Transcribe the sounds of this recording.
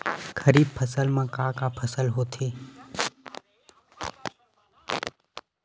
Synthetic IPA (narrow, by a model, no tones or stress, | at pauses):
kʰəɾiːb̚pʰəsəlmãkaːkapʰəsəlɦoːt̪ʰeː